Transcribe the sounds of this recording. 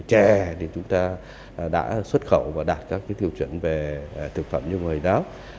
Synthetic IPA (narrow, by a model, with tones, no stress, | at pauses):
t͡ɕɛ˧˩t̪ʰi˨˩t͡ɕʊ˨˦ŋ͡mt̪aː˧˩ | ɗa̰ː˧˥swə˦˥t̚xə̰˧˩˨wvaː˨˩ɗaː˨˩t̚kaː˦˥k̚ːaː˨˦jt̪i˧əwt͡ɕwḭ˧˩ənve˨˩˨t̪ʰɨ˨˧˩k̚fə̰˧˨mɲɨ˧ŋɨ˨˩əjɗɔ˨˦